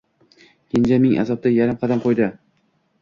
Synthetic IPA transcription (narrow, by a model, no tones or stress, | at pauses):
kʰʲɪnd͡ʒamɪŋʔa̰zɒb̚t̪ajaɾɪmqʰɑd̪amqʰojd̪ɪ